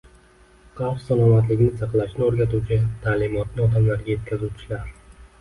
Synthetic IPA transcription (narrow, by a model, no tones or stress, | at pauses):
qʰɑwχsalˠɒmat̪lɪkʲnɪsɑqlˠaʃnɪoɾɡʲat̪uwt͡ʃʰɪt̪ʰaːlɪmɒt̪̚nɪɒd̪amlaɾɡʲaje̞t̪ʲkʲʰazuwt͡ʃʰɪlaɾ